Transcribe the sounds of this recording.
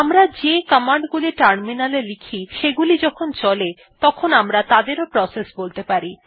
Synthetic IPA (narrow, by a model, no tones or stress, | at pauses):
amɾad͡ʑekəmaɳɖɡuliʈaɾminalelikʰiʃeɡulid͡ʑɔkʰont͡ɕɔle | t̪ɔkʰonamɾat̪ad̪eɾopɾɔsesbolt̪epaɾi